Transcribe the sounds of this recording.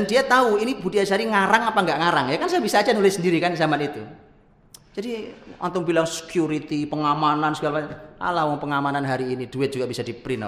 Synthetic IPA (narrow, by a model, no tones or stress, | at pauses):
d̥andiat̪auinibudiasaɾiŋaɾaŋapaŋɡaʔŋaɾaŋjakansajabisaːd͡ʒanulɪsəndiɾikansamanit̪u̥ | d͡ʒ̥adiʔa̰nt̪ʊŋbilaŋsə̥kjuɾit̪ipəŋamanansəɡalapaʔa̰lahwɔŋpəŋamananɦaɾiːnid̥uɪt̪̚d͡ʒuɡab̥isad̥ipɾinɔ̰